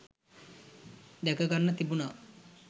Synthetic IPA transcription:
d̪ɛkəɡanːət̪ibuna

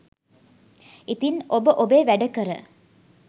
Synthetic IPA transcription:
it̪inobəʔobeːʋæɖəkəɾə̰

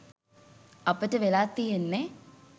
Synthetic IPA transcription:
ɐpəʈəʋelaːt̪ːijenːe

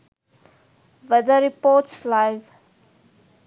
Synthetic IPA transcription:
vɛd̪əɾipɔtslaɪv

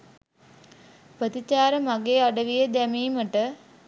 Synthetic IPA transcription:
pət̪it͡ɕaːɾəmaɡeːaɖəʋijəd̪æmiːməʈə

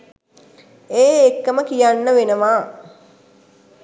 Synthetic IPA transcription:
eːekːəməkijanːəʋenəʋaː

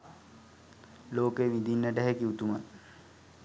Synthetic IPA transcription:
loːkeʋid̪inːəʈɛɦɛkiut̪umat̪

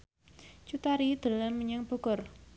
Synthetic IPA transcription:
t͡ʃut̪aɾid̪̥ə̤ləmːəɲəŋb̥ɔ̤ɡ̥ɔr

